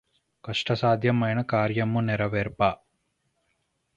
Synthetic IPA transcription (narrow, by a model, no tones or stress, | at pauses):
kɐʂʈɐsaːd̪ʱjɐmɐjnɐkaːɾjɐmːunɛɾɐʋeːɾpaː